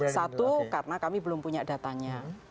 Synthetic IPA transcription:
sat̪ukarnakamibəlʊmpuɲada̤t̪aɲa

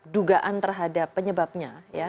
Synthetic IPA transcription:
duɡaʔant̪ərɦadapːəɲəbap̚ɲaja

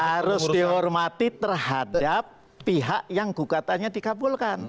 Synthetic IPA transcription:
haɾʊsdiɦɔrmat̪it̪ərhadapː | iɦaʔjaŋɡuɡat̪aɲadikabʊlkan

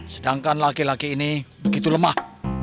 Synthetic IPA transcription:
sədaŋkanlakilakiːnibəɡit̪uləmah

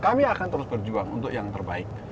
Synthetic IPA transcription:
kamiakant̪əɾʊsbərd͡ʒuaŋṵnt̪ʊkjaŋt̪ərbaɪk̪̚

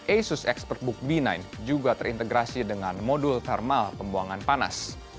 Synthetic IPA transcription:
ʔejsʊsɛkspərt̪̚bʊk̚binajnd͡ʒuɡat̪əɾḭnt̪əɡɾasidəŋanmodʊlt̪ɛrmalpəmbuaŋanpana̰s

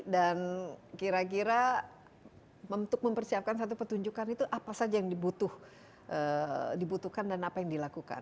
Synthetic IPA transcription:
dankiɾak̬iɾa | mənt̪ʊk̚məmpərsiap̚kansat̪̬upət̪uɲd͡ʒukanit̪uʔapasad͡ʒajaŋdibut̪ʊh | ʔədibut̪uhkandanapajaŋdilakuka̰n

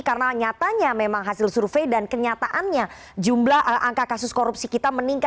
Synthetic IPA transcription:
karənaɲat̪aɲamemaŋɦasɪlsurfejdankəɲat̪aʔanɲa | d͡ʒumblahʔəʔaŋkakasʊskoɾup̚sikit̪aməniŋka

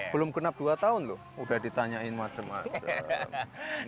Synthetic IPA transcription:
b̥əlʊmɡənap̚d̥uat̪aʊnlʊh | udahdit̪aɲaɪnmat͡ʃəma̰t͡ʃə̰

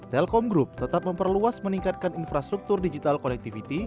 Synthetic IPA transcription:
t̪ɛlkɔmɡɾup̚t̪ət̪ap̚məmpərluasməniŋkat̪̚kaninfɾast̪ɾuk̚t̪ʊrdid͡ʒit̪alkonɛk̚t̪ifit̪i

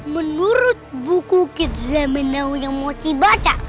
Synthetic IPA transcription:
mənuɾʊt̪̚bukukɪt̪̚zaminawjaŋmɔt͡ʃibat͡ʃa

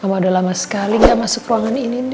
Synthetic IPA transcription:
mamadalamasə̥kaliŋɡaʔmasʊkruaŋaninin

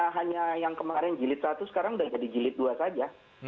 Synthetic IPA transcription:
ɦaɲajaŋkəmaɾɪnd͡ʒilɪt̪̚sat̪usə̥kaɾaŋudahd͡ʒadid͡ʒilɪt̪̚duasad͡ʒa

